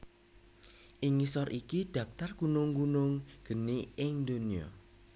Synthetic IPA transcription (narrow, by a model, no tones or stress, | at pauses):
ʔiŋisɔɾʔikiɖ̥ä̤p̚t̪arkunʊŋɡunʊŋɡ̥əniɪŋd̪oniɔ̰